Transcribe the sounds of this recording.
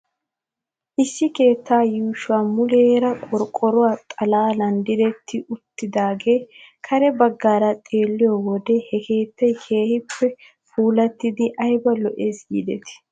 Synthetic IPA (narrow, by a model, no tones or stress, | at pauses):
ʔɪsːɪke̞ːt̪ːaːjuːʃʊwaːmʊleːɾɐkʼɔɾkʼːɔɾʊwaːt̪ʼɐlaːlɐnd̪ɪɾɛt̪ʰːɪʔʊt̪ːɪd̪aːɡe̞ːkʰɐɾɛbɐɡːaːɾɐt̪ʼe̞ːlːɪjɔwɔd̪ɛhɛkʰe̞ːt̪ːɐjkʰe̞ːhɪpːɛ | fuːlɐt̪ːɪd̪ɪʔɐjbɐlɔʔesɡḭːd̪ɛt̪ɪ̥